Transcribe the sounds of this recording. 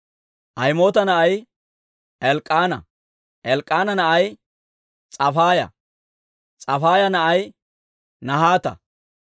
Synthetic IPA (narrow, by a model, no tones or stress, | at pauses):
ʔɐjmo̞ːt̪ɐnɐʔɐj | ɛlkʼːaːnɐ̰ | ʔɛlkʼːaːnɐnɐʔɐj | t͡sʼɐfaːjɐ̰ | t͡sʼɐfaːjɐnɐʔɐj | nɐɦaːt̪ɐ̰